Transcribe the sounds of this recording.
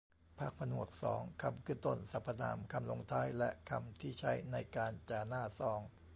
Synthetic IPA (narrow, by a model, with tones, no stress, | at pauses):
pʰaː˥˩k̚pʰa˧nu˨˩ək̚sɔ̰ː˩˦ŋkʰa˧mkʰɯː˥˩t̪o˥˩nsa˨˦˥pʰːa˧na̰ː˧˩mkʰa˧mlo˧ŋt̪ʰaː˧˥˩jlɛ˦˥ʔkʰa̰˧mt̪ʰiː˥˩t͡ɕʰa˦˥jna˧jkaː˧nt͡ɕaː˧naː˥˩sɔː˧˦ŋ